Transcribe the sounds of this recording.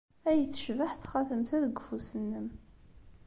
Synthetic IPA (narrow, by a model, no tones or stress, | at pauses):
æjəθə̥ʃvaħθχɑθəmθæðəɡəfusənːəm